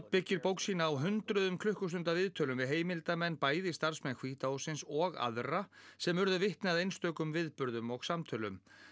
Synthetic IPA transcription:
t̪̚pɪcːɪɾpowksiːnaːwɦʏnt̪ɾʏðʏmkʰlʏhkʏst̪ʏnt̪avɪðt̪ʰœːlʏmvɪðɦeːjmɪlt̪amɛnːpaːjðɪist̪aɾ̥smɛnkʰviːt̪aosɪnsɔɣa̰ðra | sɛmʏɾðʏvɪht̪nɪaðejnst̪œːkʏmvɪðpʏɾðʏmɔɣsamt̪ʰœːlʏ̰m

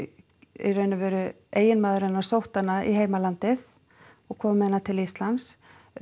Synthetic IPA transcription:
ɾœːɥnʏvɛːɾʏ | eːjɪnmaːðʏɾɪnːaɾsowht̪anːaiɦeːjmalant̪ɪθ | ɔɣkʰɔːmmːɛɛnːat̪ʰɪlist̪lans

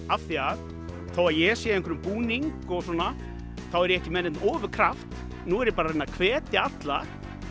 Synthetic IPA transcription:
afθiað | θawaðjɛsjɛẽjŋkʰvɛɾʏmpuːniŋkɔɣs̬ɔna | θawɛɾɛhcɪmɛnːɪt̪nɔːvʏɾ̥kʰɾaft̪ | nuɛɾɪpaːɾarenːakʰvɛːt̪ʰɪat̪la̰

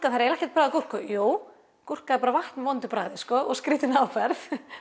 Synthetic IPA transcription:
kaθaɾɛɾɛhcɛ̥ɾ̥t̪pɾaːðɪkur̥kɔjoːw | kur̥kaðɛɾpaːɾavaht̪nvɔnt̪ʏpɾa̰ːðɪskɔːʔɔɣskɾiːt̪ɪnaːwfɛɾθ

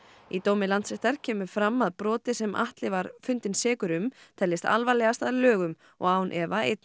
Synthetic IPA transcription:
it̪oːwmɪlant̪sɛht̪aɾ̥cʰɛːmʏɾ̥fɾamːaðpɾɔːt̪ɪsɛmʔa̰ht̪lɪvaɾfʏnt̪ɪnsɛːkʏɾʏmt̪ʰɛlːɪst̪a̰lvalɛɣast̪aðlœːɣʏm | ɔ̰ɣaːwnʔɛvaejt̪n

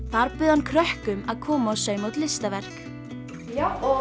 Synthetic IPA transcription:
θaɾpʏːðankʰɾœhkʏmaðkʰɔːmaawsœːɥmowt̪lɪst̪avɛr̥k

